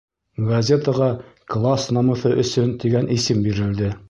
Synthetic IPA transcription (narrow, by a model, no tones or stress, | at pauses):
ɡɐzʲet̪əʁɑklˠasnɑmɤ̆θɤʔɵ̆sɵnt̪iɡænʔisɘmbiɾɘ̆ld̪ɘ